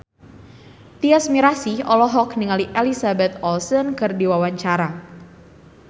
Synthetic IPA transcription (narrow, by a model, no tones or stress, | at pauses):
t̪iasmiɾasiʔɔlɔɦɔkniŋaliʔɛlisabɛt̪̚ɔlsənkɨrdiwawaɲt͡ʃaɾa